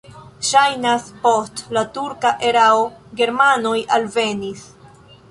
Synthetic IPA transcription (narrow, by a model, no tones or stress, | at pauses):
ʃajnaspo̞stlatuɾkaʔe̞ɾaoɡe̞ɾmano̞jʔalve̞nis